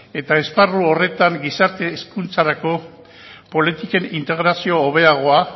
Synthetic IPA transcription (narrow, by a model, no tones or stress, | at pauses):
e̞t̪ae̞sparuo̞re̞t̪aŋɡisaɾt̪e̞ːskunt͡saɾako̞ | po̞lit̪ike̞nint̪e̞ɣɾasio̞ːβ̞e̞aɣ̞o̞a